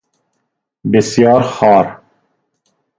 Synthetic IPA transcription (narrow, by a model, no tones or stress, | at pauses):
bɪsjɑːɾxɑːɾ